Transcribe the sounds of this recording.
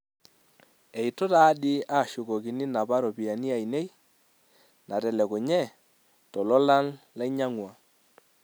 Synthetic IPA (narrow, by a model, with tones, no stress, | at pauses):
ɛ˨i˨to˦ta˦ɗi˦aː˦˨ʃʊ˨kɔ˨ki˨ni˦na˨ba˦ɾɔ˨pi˨a˨ni˦a˨i˨ne˦j | na˨tɛ˨lɛ˨kʊ˨ɲɛ˦˨ | tɔ˨lɔ˦la˦n | la˦ɲa˦ŋwa˨